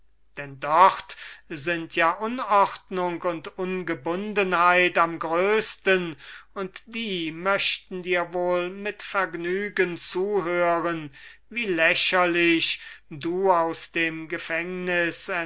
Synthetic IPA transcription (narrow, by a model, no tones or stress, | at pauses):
d̥ɛndɔχtzɪntʰjaːʔʊnɔχtnʊŋkʊntʊnɡəbʊndənhaɪtamɡʁøːstənʊntd̥iːmœʃtn̩diːɐvoːlmɪtfɛɐɡnyːɡənt͡suːɦøːʁənviːlɛʃɐlɪɕduːaʊsd̥eːmɡəfɛŋnɪsɛ